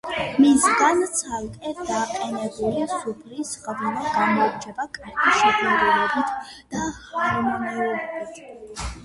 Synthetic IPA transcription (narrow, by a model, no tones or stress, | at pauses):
misɡant̪sʰalkʼɛt̪̚ʰd̪aːqʼɛnɛbulisupʰlisʁd̪ilaɡamɔɾt͡ʃʰɛbakʼaɾɡʰiʃɛkɛɾɛɔbit̪ʰ | d̪̥ahaɾmɔnɛlɛɛbit̪ʰ